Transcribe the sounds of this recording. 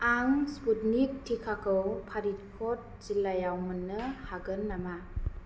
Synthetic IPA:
aŋsputnik̚tʰikʰakʰɯwpʰaɾit̚kʰɔt̚zilːajawmɯnːɯhaɡɯnːama

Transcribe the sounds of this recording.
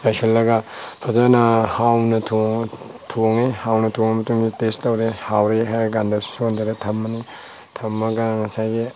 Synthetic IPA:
ajselːɐɡatʰɔzanahawnɐtʰo | tʰoŋehawnɐtʰoŋemɐtuŋɡitestɐwɾehawɾeɦajɾɡandɐssond̪aɾetʰɐmːɐni | tʰɐmːɐɡaŋɐsajɡi

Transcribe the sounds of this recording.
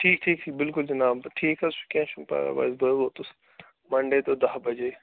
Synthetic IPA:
ʈʰiːk̚ʈʰiːk̚t̪ʰiːbɪlkʊld͡ʒɐnaːbʈʰiːkʰɐsʋi̥kẽːʃənpa̰ːɾɐ̰ʋa̰ːɪzbəot̪ʊs | mɐɳɖet̪oːd̪ɐɦbɐd͡ʒeː

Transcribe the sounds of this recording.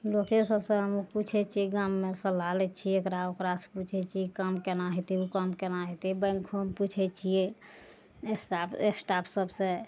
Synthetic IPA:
lokesəbsẽɦəmuput͡ʃʰɛt͡ʃʰiɡamːesəlalɛt͡ʃʰiekɾaokɾasput͡ʃʰɛt͡ʃʰiekamkenaɦɛt̪iukamkenaɦɔt̪ibə̃ŋkʰomput͡ʃʰɛt͡ʃʰie | esapeksʈapʰsəbsẽ

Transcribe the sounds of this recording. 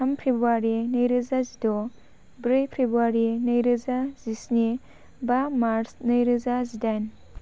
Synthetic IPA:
ɐmpʰɾibuaɾinɐjɾɯzazidɔ | bɾejpʰɾibuaɾinɐjɾɯzazisni | bamaɾsnɐjɾɯzazidajn

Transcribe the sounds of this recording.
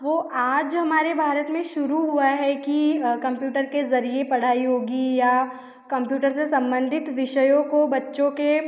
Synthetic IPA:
ʋoːʔaːd͡ʒɦɐmaːɾebʱaːɾət̪mẽʃʊɾuɦuaɦɛkikɐ̃mpjuːʈəɾkezɐɾiepɐɽ̤aːiɦoːɡija | kɐ̃mpjuːʈəɾsesɐ̃mbə̃nd̪ʱɪt̪ʋɪʃəjõkobɐtːʃõke

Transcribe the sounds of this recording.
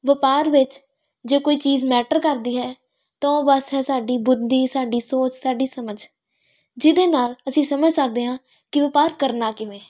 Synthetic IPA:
ʋəpaːɾʋɪt͡ʃ | d͡ʒeːkoːiːt͡ʃiːzmɛːʈəɾkəɾd̪iːɦɛː | t̪ãːoːbəsɦɛːsaːɖiːbʊd̪iːsaːɖiːsoːt͡ʃsaːɖiːsəməd͡ʒ | d͡ʒɪd̪eːnaːləsĩːsəməd͡ʒsək̚d̪eːɦãː | kɪʋəpaːɾkəɾnaːkɪʋẽː

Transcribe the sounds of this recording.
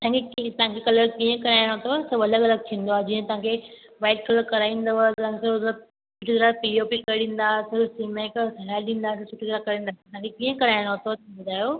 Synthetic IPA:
t̪ãŋkʰekĩt̪ɐɦãŋkʰekɐləɾkiːə̃kɐɾaːɪɽ̃ot̪ʰosɐbɐləɡɐləɡ̚t̪ʰĩːn̆d̪oaːd͡ʑiːə̃t̪ɐ̤ãkʰe | ʋaːɪʈ̚kɐləɾkɐɾaːĩːn̆d̪əʋət̪ãkesɐɾə | t͡ɕʰʊʈʰit̪ɐɾapiiopikɐɗĩːn̆d̪aːsɐɾsimeksɛlaːɗĩːn̆d̪aːt̪ɐt͡ɕʰʊʈʰit̪ɐɾakɐɾĩːnd̪at̪ɐãŋkʰekiːə̃kɐɾaːɪɽ̃ot̪ʰot̪ʰbʊd̪ʱaːjoː

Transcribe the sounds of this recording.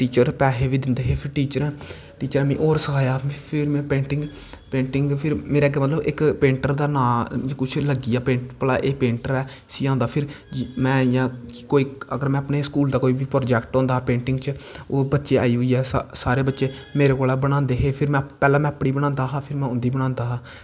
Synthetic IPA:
ʈiːt͡ʃəɾpɛːɦeːʋiːd̪ɪnd̪eːɦeːpʰɪɾʈiːt͡ʃəɾɛ̃ː | ʈiːt͡ʃəɾɛ̃ːmɛ̃ːʔoːɾsəkʰaːjaːpʰɪɾmɛ̃ːpẽːɳʈɪ̃ŋɡ | pẽːɳʈɪŋɡpʰɪɾmeːɾeːɡɛːmət̪ləbɪkpẽːɳʈəɾd̪aːnãːkʊt͡ʃʰləɡiːaːpẽːɳʈpəla̰ːʔeːpẽːɳʈəɾɛː | siːãːnd̪aːpʰɪɾ | d͡ʒmɛ̃ːjãːkoːiːəɡəɾmɛ̃ːəpneːskuːld̪aːkoːiːʋiːpɾoːd͡ʒɛːkʈɔ̃ːnd̪aːpẽːɳʈɪŋɡt͡ʃoːbətːʃeːa̰ːiːɦʊiːɛːsaːɾeːbətːʃeː | meːɾeːkoːlaːbəɽ̃ãːnd̪eːɦeːpʰɪɾmɛ̃ːpɛːlãːmɛ̃ːəpɽiːbəɽ̃ãːnd̪aːɦaːpʰɪɾmɛ̃ːʊ̃nd̪iːbəɽ̃ãːnd̪aːɦaː

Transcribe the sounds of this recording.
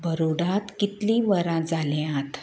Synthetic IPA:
bəɾuɽãt̪kit̪lĩʋəɾãd͡zalẽãt̪ʰ

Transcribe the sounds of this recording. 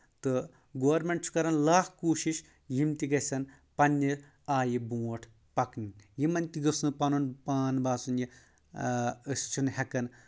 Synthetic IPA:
t̪ɨ | ɡoːɐɾmʲeɳʈt͡ʃʰu̥kɐɾɐnlaːkʰkuːʃiʃ | jimt̪iɡɐsɐn | pɐnʲːi | aːjibuːʈʰ | pɐknijimɐnʲt̪ʲiɡɨsnɨpɐnunpaːnbaːsunji | ɨst͡ʃʰunhʲɛkɐn

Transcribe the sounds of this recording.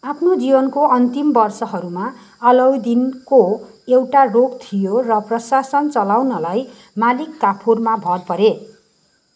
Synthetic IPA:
apʰnod͡zibʌnkoʌnt̪imbʌrsʌɦʌɾuma | ʌlʌwd̪inko | ewʈaroɡt̪ʰijorʌprʌsasʌnt͡sʌlawnʌlaj | malikːapʰurmabʱʌrpʌɾe

